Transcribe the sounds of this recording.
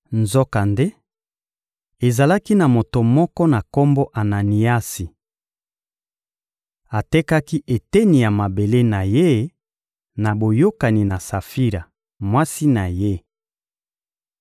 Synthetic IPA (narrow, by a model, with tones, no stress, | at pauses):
nzɔ˦ka˨nde˦ | e˨za˨la˦ki˦na˨mo˨to˨mɔ˦kɔ˦na˨kɔ˦mbo˦ʔa˨na˨ni˨a˦si˨ | a˨tɛ˦ka˦ki˦ʔe˨te˦ni˨ja˨ma˨be˨le˦na˨je˦ | na˨bo˨jo˦ka˨ni˨na˨sa˨fi˦ʁa˨ | mwa˦si˦na˨je˦